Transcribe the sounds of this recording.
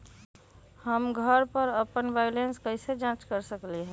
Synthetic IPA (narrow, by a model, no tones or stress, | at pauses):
həmɡʱəɾpəɾəpənbajlenskəɪsed͡ʒãt͡ʃkəɾsəkliɦɛ̃